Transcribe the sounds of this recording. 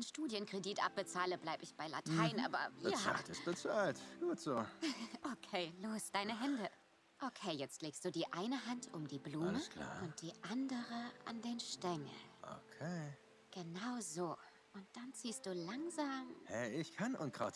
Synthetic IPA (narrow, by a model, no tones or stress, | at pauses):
aɪnʃtuːdjənkʁ̥ediːtʔa̰p̚b̥ət͡saːləblaɪbəɪçb̥aɪla̰tʰaɪnʔa̰ːbɐ̰viəa̰ːltɪstb̥ət͡saːltɡ̥uːtz̥oːʔokʰeːloːsd̥aɪnəɦɛndə | ʔokʰeːjɛt͡stleːkstd̥uːdiːʔaɪnəɦantʰʊmdiːbluːməkla̰ːʊnt̚d̥iːʔandəʁəʔa̰ndeːnʃtɛŋə̰lʔo̰kʰe | ɡ̥ənaʊzoː | ʔʊnt̚d̥ant͡siːstd̥uːlaŋzaːmhɛɪçkʰanʔʊntkʁat